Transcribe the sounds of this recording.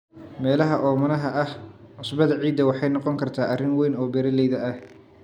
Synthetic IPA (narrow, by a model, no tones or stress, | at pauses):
mɛːlɐɦɐʔɔːmɐnɐɦɐʔɐhʕʊsbɐðɐʕiːd̪ːɐwɑħɑjnɔqɔŋkʰɐrt̪ʰaːʔɐrɪŋwɛjnɔːbɛɾɐlɛjðɐɐh